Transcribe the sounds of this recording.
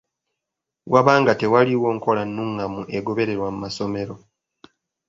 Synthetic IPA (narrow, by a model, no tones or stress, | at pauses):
waβaːŋɡate̞waliwo̞ːŋko̞lanːuŋːamuʔe̞ɡo̞βe̞ɾe̞ɾwamumaso̞me̞ɾo̞